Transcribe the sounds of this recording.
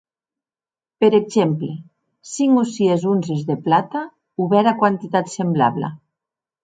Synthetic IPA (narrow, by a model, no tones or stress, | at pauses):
peɾeɡzemple | siŋusiezunzezðeplat̪a | uβɛɾakwant̪it̪at̪sembla̰βla̰